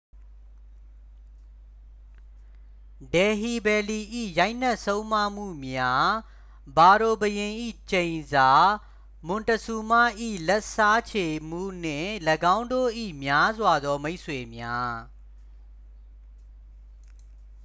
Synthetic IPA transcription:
dɛ˨ɦi˨bɛ˨li˨ʔḭ˦˨ja˦ɪʔn̥ɛ˦ʔsõ˦ʊ̃ma˦˨m̥ṵ˦˨mja˦ | ba˨ɾo˨bəjɪ̃˨ʔḭ˦˨t͡ɕẽ˨ɪ̃nza˨˦ | mʊ̃˨ntəsu˨ma˦˨ʔḭ˦˨lɛ˦ʔsa˦t͡ɕʰe˨m̥ṵ˦˨n̥ɪ̰̃˦˨ləɡã˦ʊ̃ndo̰˦˨ʔḭ˦˨mja˦zwa˨d̪ɔ˦me˦ɪʔsʰwe˨mja˦

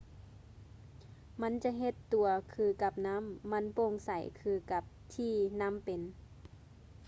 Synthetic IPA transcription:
ma˧˥˨nt͡ɕa˧˦ɦe˧˦t̪ːu˨˩ɐkʰɯː˧˩ka˧˩p̚na˧˥˨mːa˧˥˨npo˧˨ŋsa˨˩˦jkʰɯː˧˩ka˧˩p̚t̪ʰiː˧na˧˥˨mpe˨n

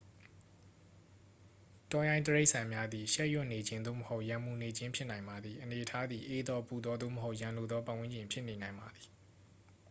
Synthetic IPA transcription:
tɔ˨jã˨ɪ̃ntəɹe˦ɪʔsã˨mja˦d̪i˨ʃɛ˦ʔjʊ˦˨ne˨d͡ʑɪ̃˦nd̪o̰˦˨məho˦ʊʔjã˨mu˨ne˨d͡ʑɪ̃˦mpʰjɪ˦ʔnã˨ɪ̃mba˨d̪ði˨ʔəne˨ʔətʰa˦d̪i˨ʔe˦d̪ɔ˦pu˨d̪ɔ˦d̪o̰˦˨məɦo˦ʊʔjã˨lo˨d̪ɔ˦pã˦˨wɪ̃˦ɲd͡ʑɪ̃˨mpʰjɪ˦ʔne˨nã˨ɪ̃mba˨d̪i̥˨

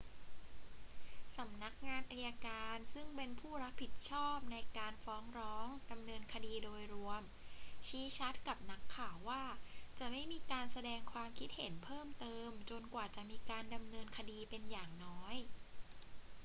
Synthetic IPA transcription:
sa˩˦mna˦˥k̚ŋaː˧nʔa˧ja˧kaː˧nsɯ˥˩ŋpe˧npʰuː˥˩ɾa˦˥k̚pʰi˨˩t̪̚t͡ɕʰɔː˥˩p̚na˧jkaː˧nfɔː˦˥ŋɾɔː˦˥ŋda˧mnɤː˧nkʰa˧diː˧doː˧jɾu˧əm | t͡ɕʰiː˦˥t͡ɕʰa˦˥t̪̚ka˨˩p̚na˦˥kʰːaː˨˩wːaː˥˩t͡ɕa˨˩ma˥˩jmiː˧kaː˧nsa˧dɛː˧ŋkʰwaː˧mkʰi˦˥t̪̚he˩˦npʰɤː˥˩mt̪ɤː˧mt͡ɕo˧nkwaː˨˩t͡ɕa˨˩miː˧kaː˧nda˧mnɤː˧nkʰa˧diː˧pe˧njaː˨˩ŋnɔː˦˥j

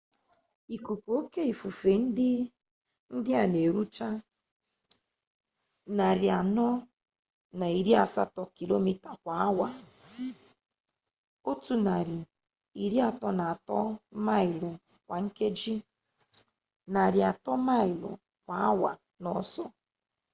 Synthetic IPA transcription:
i˨ku˨kʷu˨o˦ke˦i˨fu˨fe˨n̩˦dɪ˦ | n̩˦dɪ˦a˨ne˨ɾu˦t͡ʃa˦ | na˨ɾɪ˨a˨nɔ˦ | na˨i˨ɾi˦a˨sa̰˦tɔ˦ki˨lo˦mi˨ta˨kʷa˨˦a˦wa˨ | o˦tu˦na˨ɾi˨ | i˨ɾi˦a˨tɔ˦na˨a˨tɔ˦ma˦ɪ˨lɔ˨ | kʷa˨ŋ̩˦ke˦d͡ʒi˦ | na˨ɾɪ˨a˨tɔ˦ma˦ɪ˨lɔ̰˨ | kʷa˨a˦wa̰˨ | nɔ˦sɔ˦

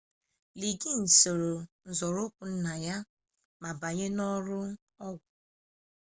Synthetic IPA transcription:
li˨ɡi˦˨n̩˨so˨ɾo˨n̩˨zɔ˨ɾʊ˦kʷʊ˨n̩˦na˨ja˦ | ma˨ba˨ɲe˦nɔ˦ɾʊ˦ | ɔ˦ɡʷʊ˨

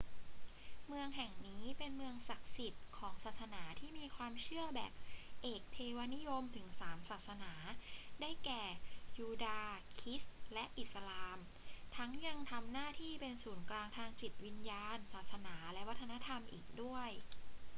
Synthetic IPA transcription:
mɯ˧əŋɦɛ˨˩ŋniː˦˥pe˧nmɯ˧əŋsa˨˩k̚si˨˩t̪̚kʰɔː˩˦ŋsaː˨˩t̪̚sa˧naː˩˦t̪ʰiː˥˩miː˧kʰwaː˧mt͡ɕʰɯ˥˩əbɛ̰ː˨˩p̚ʔeː˨˩k̚t̪ʰeː˧wa˦˧˥ni˦˥jo˧mt̪ʰɯ˩˦ŋsaː˩˦msaː˨˩t̪̚sa˧naː˩˦da˥˩jkɛː˨˩juː˧daː˧kʰi˦˥slɛ˦˥ʔi˨˩t̪̚sa˧laː˧m | t̪ʰa˦˥ŋja˧ŋt̪ʰa˧mnaː˥˩t̪ʰiː˥˩pe˧nsuː˩˦nklaː˧ŋt̪ʰaː˧ŋt͡ɕi˨˩t̪̚wi˧njaː˧nsaː˨˩t̪̚sa˧naː˩˦lɛ˦˥wa˦˥t̪ʰːa˧na˦˥t̪ʰa˧mʔḭː˨˩k̚du˥˩əj

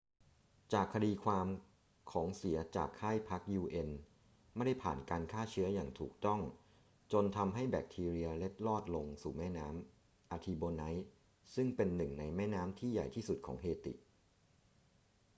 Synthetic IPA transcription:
t͡ɕaː˨˩kʰːa˧diː˧kʰwaː˧m | kʰɔː˩˦ŋsi˩˦ɐt͡ɕa̰ː˨˩kʰːaː˥˩jpʰa˦˥k̚juː˧ʔe˧n | ma˥˩jda˥˩jpʰaː˨˩nkaː˧nkʰaː˥˩t͡ɕʰɯ˦˥ɐjaː˨˩ŋt̪ʰuː˨˩k̚t̪ɔ˥˩ŋ | t͡ɕo˧nt̪ʰa˧mɦa˥˩jbɛː˨˩k̚t̪ʰiː˧ɾi˧ɐle˦˥t̪̚lɔː˥˩t̪̚lo˧ŋsuː˨˩mɛː˥˩naː˦˥m | ʔaː˧t̪ʰiː˧boː˧na˦˥j | sɯ˥˩ŋpe˧nːɯ˨˩ŋna˧jmɛː˥˩naː˦˥mt̪ʰiː˥˩ja˨˩jt̪ʰiː˥˩su˨˩t̪̚kʰɔ̰ː˩˦ŋɦeː˧t̪ḭ˨˩ʔ

